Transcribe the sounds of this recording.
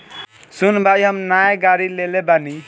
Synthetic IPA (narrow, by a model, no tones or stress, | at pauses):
sunbʱajɦəmnaeɡaɾilelebani